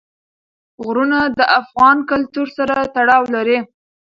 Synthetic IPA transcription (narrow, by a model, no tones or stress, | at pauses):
ɣɾunad̪əʔafɣɑnkalt̪uɾsaɾat̪aɽɑwlaɾe